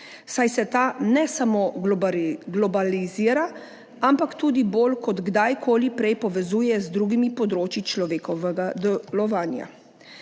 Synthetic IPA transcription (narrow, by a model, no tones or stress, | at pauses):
sajsɛt̪anɛsamoː | ɡlɔbaliziːɾa | ampakt̪uːd̪iboːlkɔd̪ɡd̪ajkʰoːlipɾɛjpɔʋɛzuːjɛzd̪ɾuːɡimipɔd̪ɾoːt͡ʃit͡ʃlɔʋeːkɔʋɛɡad̪ɛlɔʋaːnja̰